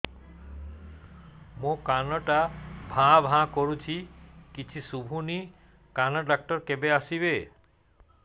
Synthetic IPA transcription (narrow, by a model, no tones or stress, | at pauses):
mõkanɔʈabʱãbʱãkoɾut͡ɕʰikit͡ʃʰisubʱuni | kanɔɖak̚ʈɔɾkebeasiβe